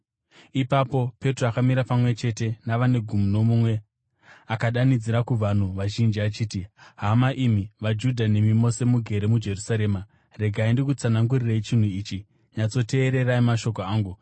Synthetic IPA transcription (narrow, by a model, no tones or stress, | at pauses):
ipapo̞pe̞troakamiɾapamwe̞t͡ʃe̞te̞naʋane̞ɡʱumuno̞mumwe̞ | akaɗanid͡ziɾakuʋan̤uʋaʒind͡ʒiat͡ʃiːtiɦamaʔimiʋad͡ʒudʱanemimo̞se̞muɡʱe̞ɾe̞mud͡ʒe̞rusaɾe̞ːma | re̞ɡʱaindikut͡sanaŋɡurirait͡ʃin̤uiːt͡ʃi | ɲat͡so̞te̞ːɾe̞raimaʃo̞ko̞aːŋɡu